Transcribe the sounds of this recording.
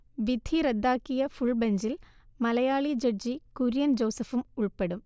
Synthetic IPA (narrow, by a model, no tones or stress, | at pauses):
ʋid̪ʱiɾed̪ːaːkːijɐfuɭbeɲd͡ʑilmɐlɐjaːɭid͡ʑɐd͡ʑikuɾjɐnd͡ʑɐwsɐfumuɭpeɽum